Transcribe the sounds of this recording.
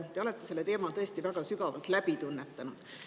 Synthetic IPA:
t̪e̞o̞le̞t̪ˑːese̞lːet̪e̞ːmɑlt̪ɤ̞e̞st̪ivæɡ̥ɑsykɑvɑlt̪læpit̪unːet̪ːˑɑnud̪̥

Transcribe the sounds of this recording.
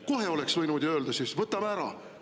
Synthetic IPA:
ko̞ɦe̞o̞le̞ksvɤjnud̪jɑø̞ːld̪ɑsisvɤt̪ːˑɑmæːɾɑ̰

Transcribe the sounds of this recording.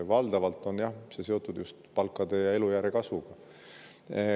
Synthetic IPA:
vɑld̪̥ɑvɑlt̪ːˑo̞njɑhse̞se̞o̞t̪ːˑud̪̥just̪pɑlkːˑɑd̪̥e̞jɑe̞lujæːɾe̞kɑsvuɡ̥ɑ

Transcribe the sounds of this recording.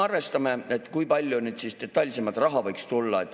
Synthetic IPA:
ɑrve̞st̪ɑme̞et̪ːˑkujpɑlʲjunyːd̪sist̪e̞t̪ːˑɑlʲse̞mɑd̪̥rɑɦɑvɤjkst̪ulːɑe̞t̪ːˑ

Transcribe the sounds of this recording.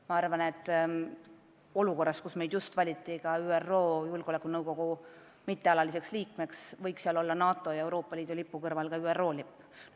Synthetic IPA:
mɑɑrvɑne̞t̪ːˑ | o̞luko̞rːɑst̪kusme̞jd̪just̪vɑlʲit̪ˑːikɑyːero̞ːjulɡ̥ole̞kːˑunɤwɡo̞ɡ̥u | mit̪ːe̞ɑlɑlise̞ksliːkme̞ksvɤjksiɑlo̞lːɑnɑːt̪ˑːo̞jɑe̞wɾo̞ːpˑːɑliːd̪̥ulipːukɤrvɑlkɑyːerːo̞ːlipː

